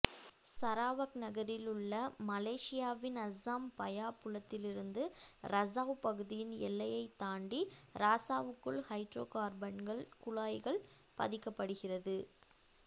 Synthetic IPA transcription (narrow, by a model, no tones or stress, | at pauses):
sɐɾaːʋɐknɐɣɐɾɪlɯɭːɐmɐleːʂɪjaːʋɪnɐsaːmpɐjaːpʊɭɐt̪ːɪlɪɾɯnd̪ɯɾɐsaːʋpɐɣɯðɪjɪnɛ̰lːɐjɐɪt̪ːaːɳɖiɾaːsaːʋɯkːɯɭhɐɪʈɾo̰ːkaːɾbɐɳɡɐɭkʊɭaːjɣɐɭ | pɐ̰ðɪkːɐpːɐɽɯɣɪrɐðɯ